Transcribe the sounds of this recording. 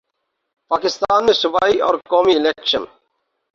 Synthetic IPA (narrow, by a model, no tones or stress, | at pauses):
paːkɪst̪aːnmẽsʊbaːiɔ̰ːɾkoːmilekʃən